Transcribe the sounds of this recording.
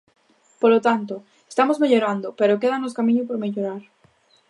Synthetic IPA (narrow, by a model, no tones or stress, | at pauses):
polot̪ant̪o | est̪amozmeʎoɾand̪opeɾok̬eðanoskamĩɲopoɾmeʎoɾaɾ